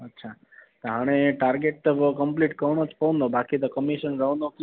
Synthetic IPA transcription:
ətːʃʰa | t̪oɦəɽ̃eʈaɾɡeʈ̪̚ʋkəmpliʈkəʋɳot͡ʃpənobakit̪okəmiʃənɾəʋnok

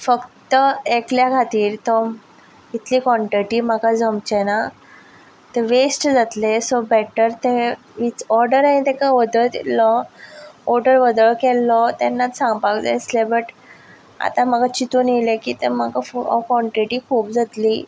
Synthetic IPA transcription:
fəkt̪əekljakʰat̪iːɾt̪ɔ | it̪ʰliːkʋɔ̃ɳʈɾiʈiːməɡad͡zəmt͡ɕɛna | t̪eʋesʈd͡zat̪lesobɛʈəɾt̪e | ʋit͡sɔɾɖəɾaĩt̪ɛkaʋəd̪əɭt̪ḭlːɔ | ɔɾɖəɾʋəd̪əɭkɛlːɔt̪ɛnːat̪sãŋɡpaɡlḛəslebəʈ | a̰t̪ãməɡat͡ɕit̪uːnjelekit̪ḛməɡafɔ̰kɔɳʈɾiʈiːkʰuːpd͡zat̪li

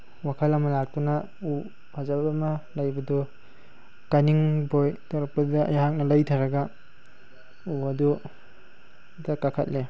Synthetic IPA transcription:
wakʰɐlɐmɐlak̚tuna | u | hʰazaamalajbɐdɔ | kaniŋbojtɔɾɐk̚pɐdɐa̰jhak̚nɐlajtʰaɾɐɡa | uɐdu | dakakʰa̰t̚le

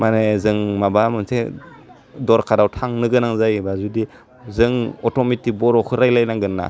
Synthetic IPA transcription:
manezɯŋmabamɯnse | dɔɾkʰadawtʰaŋnɯɡɯnaŋzajbazudi | zɯŋɔtomitibɔɾɔkʰɯɾajlajnaɡɯnːa̰

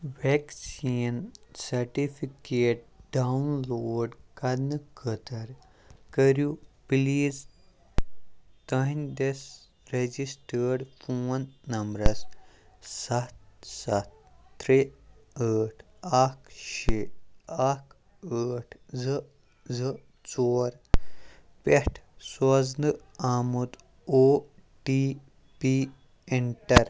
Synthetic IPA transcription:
ʋeksiːnsɐɾʈifʰikeːʈ̚ɖaunloːɖkɐnɨkʰət̪əɾ | kəɾjupliːz | t̪əɦind̪es | ɾed͡ʒisʈəɾɖfoːnːɐmbɾɐs | sɐt̪sɐt̪ːɾiəːʈʰ | akʃeak | əːʈʰzɨ | zɨ | t͡soːɾ | peʈʰsɔznɨ | aːmud̪ | oː | pi | piː | eɳʈɐɾ

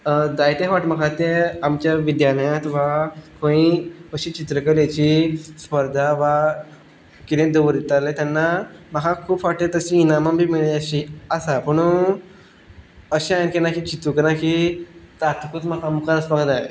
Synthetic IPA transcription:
d̪ajt̪ẽʋaʈm̤əkʰat̪eamt͡ɕjaʋid̪janəjãt̪ʋakʰõiəɕit͡ɕit̪ɾəkəɾjat͡ɕispəɾd̪ʱaʋa | kit̪ẽd̪əʋəɾit̪alet̪anːaməkʰakʰuːpʋaʈet̪əɕĩːnamambʱiːmiɭəɕiasapəɳ̃u | əɕĩajnkenakit͡ɕit̪ukəɾãkit̪at̪kut̪məkʰamukʰaɾəsbaɡt̪aḛ

